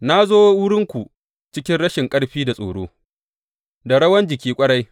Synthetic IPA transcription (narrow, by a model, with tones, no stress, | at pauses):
na˦zoː˦wʊ˦ɽɪ˦ŋkʷu˨ | t͡ʃɪ˦kʲɪ˦nɽɐ˦ʃɪ˨ŋkʼɐ˦ɽɸiː˦da˨sʼo̰ː˨ɽo̰ː˦ | da˨ɽɐ˦wɐ˦nd͡ʒɪ˨kʲiː˦kʷʼɐ˦ɽa˦j